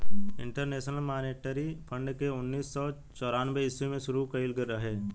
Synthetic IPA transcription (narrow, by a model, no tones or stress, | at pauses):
ɪ̰̃ɳʈəɾneːʃnəlmaːneːʈəɾipʰə̃ɳɖkeʊnːiːsːɔ | t͡ʃɔːɾaːnbeɪsimẽʃʊɾukəɪlɡəɾːəɦeː